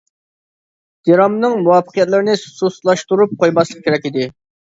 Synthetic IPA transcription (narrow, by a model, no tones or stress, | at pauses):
d̪̥eɾɑmnɨŋmuwɑfə̥qʰijɛt̪lˠɨɾɪnɪssuslˠɑʃt̪uɾup̚qojmɑslˠəq̚kʲʰeɾɛkʲid̪ɪ